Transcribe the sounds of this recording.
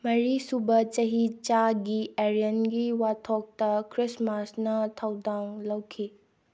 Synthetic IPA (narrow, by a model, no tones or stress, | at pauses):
mɐɾisubɐt͡ʃɐɦit͡ʃaɡieɾijɐnɡiwatʰok̚tɐkɾismasnɐtʰɐwdaŋlɐwkʰi